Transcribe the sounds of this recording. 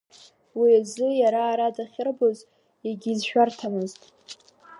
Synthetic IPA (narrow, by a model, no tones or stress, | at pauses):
wiazɨjaɾaːɾadaχʲɪrboz | jaɡʲiːzʃᶣartʰamɨztʼ